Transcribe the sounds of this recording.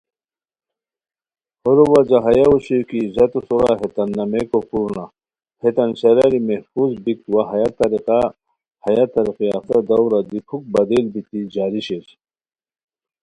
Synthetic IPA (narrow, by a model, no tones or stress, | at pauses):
hoɾuwad͡ʑaɦɐjauɕikizɐt̪usuɾa̰ɦet̪ɐnːɐmekofuɾna | het̪ɐnɕɐɾaɾimehfuzbik̚t̪waɦɐjat̪ɐɾiqa | hɐjat̪ɐɾiqiat̪ɐd̪ɐwɾad̪ipʰuk̚bɐd̪elbit̪id͡ʑaːɾiɕet͡ɕ